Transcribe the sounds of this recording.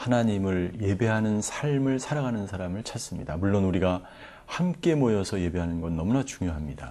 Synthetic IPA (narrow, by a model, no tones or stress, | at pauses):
hanaɲimɯɭje̞be̞ɦanɯnsʰaɭmɯɭsʰaɾaɡanɯnsʰaɾamɯɭt͡ɕʰas͈ɯmɲḭdamuɭːonuɾiɡa | hamk͈e̞mojʌsʰʌje̞be̞ɦanɯnɡʌnːʌmunat͡ɕuŋjoɦamɲida